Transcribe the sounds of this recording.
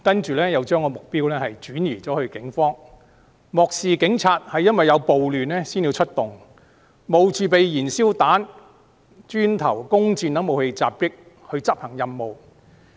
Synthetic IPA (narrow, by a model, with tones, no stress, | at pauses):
kɐ˥nt͡ʃyː˨lɛː˥jɐ˨˧wt͡ʃœː˥ŋkɔː˧mʊ˨k̚piː˥wlɛː˥hɐ˨jt͡ʃyː˨˥niː˨˩t͡sɔː˨˥hɵ˧ɥkɪ˨˥ŋfɔː˥ŋ | mɔː˨k̚siː˨kɪ˨˥ŋt͡sʰaː˧t̚hɐ˨jːɐ˥nwɐ˨jɐ˨˧wpo˨wlyː˨nlɛː˥siː˥nji˧wt͡ʃʰɵ˥t̚t̪ʊ˨ŋ | mo˨wt͡siː˨pe˨jjiː˨˩nsiː˥wt̪aː˨˥n | t͡ʃyː˥nt̪ʰɐ˨˩wkʊ˥ŋt͡siː˧nt̪ɐ˨˥ŋmo˨whe˧jt͡saː˨p̚kɪ˥k̚ | hɵ˧ɥt͡sɐ˥p̚hɐ˨˩ŋjɐ˨mːo˨˩w